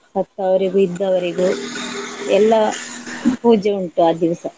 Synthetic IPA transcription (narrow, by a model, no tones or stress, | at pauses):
sɐt̪ːɐʋɐɾiɡuid̪ːɐʋɐɾiɡu | ɛlːɐ | puːd͡ʒɐuɳʈuaːd̪iʋisɐ